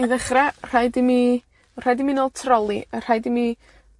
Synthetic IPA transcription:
iðəχrar̥aɨdimi | r̥ajdiminoːlˠtʰrɔlˠiər̥ajdimi

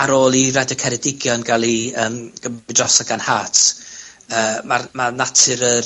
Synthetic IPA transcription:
aɾoːlˠiradəkʰɛɾɛdɪɡjɔnɡalˠiəːmɡ̥əmɪdrɔsaɡanhaːtʰ | əːmarmanatʰɨɾə

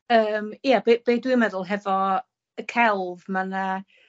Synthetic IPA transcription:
əːmjabeb̥eːdwimɛðʊlˠɦɛvɔ | əkʰɛlˠvmana

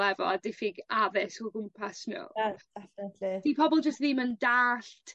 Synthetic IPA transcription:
lɛvɔ̰adɪfɪɡavɪsuɡʊmpʰasno̰̥ | ɛfntlid̥ipʰɔbɔlˠd͡ʒəstðiːməndaːɬtʰ

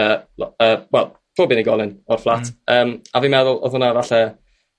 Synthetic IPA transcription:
əɔəːwɛlˠ | tʰoːbɪniɡɔlˠɪnɔrflˠatʰəːmaviːmɛðʊlˠɔ̰ðhʊnavaɬɛ

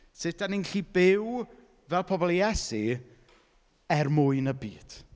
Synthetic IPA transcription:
sɪtaninɬibɪw | vɛlˠpʰɔbɔlˠiɛsi | ɛrmʊɨnəbiːd̥

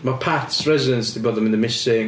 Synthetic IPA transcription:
mapʰaθsɹɛzɪdə̃nstɪbɔðə̃mɪ̃nðəmɪsɪ̃

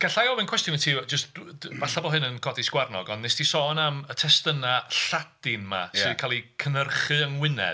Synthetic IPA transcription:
ɡ̥aɬajɔvɨnkʰwɛstjʊntʰiːd͡ʒəstvaɬabɔlˠɦɨnənkʰɔdisɡwarnɔɡɔndnɛstʰisɔnamətʰɛstənaɬad̥ɪnma̰sɨðkʰalˠikʰənərχɨəŋwɪnɛ̰d

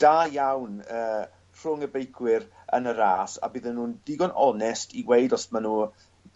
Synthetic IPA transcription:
d̥aːjawnəː | rr̥ʊŋəbejkʰwɪɾ | ənəɾaːsa̰bɪðɛnuːndɪɡɔnʔɔnɛstiwejdɔsmanuː

